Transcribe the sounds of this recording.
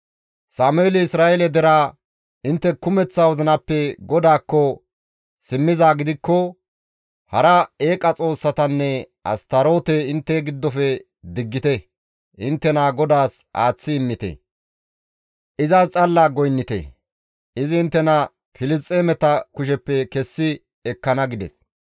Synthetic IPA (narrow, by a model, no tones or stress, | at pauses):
saːmʊeːlɪɪsɾaːʔɛlɛd̪ɛɾaː | ʔɪnt̪ːɛkʊmɛt͡sːawɔzɐnɐpːɛɡɔd̪aːkːɔ | sɪmːɪzaːɡɪd̪ɪkːɔ | hɐɾɐeːkʼɐt͡sʼo̞ːsːɐt̪ɐnːɛ | ʔɐ̰st̪ɐɾo̞ːt̪ɛɪnt̪ːɛɡɪd̪ːɔfɛ | d̪ɪɡːɪt̪ɛ | ʔɪnt̪ːɛnaːɡɔd̪aːsʔa̰ːt͡sːɪːmːɪt̪ɛ̰ | ʔɪzaːst͡sʼɐlːaːɡɔjnːɪt̪ɛ̰ | ʔɪzɪɪnt̪ːɛnɐ | fɪlɪs̬t̪ʼːeːmɛt̪ɐkʊʃɛpːɛkɛsːɪ | ɛkːɐnɐɡɪd̪ɛ̰s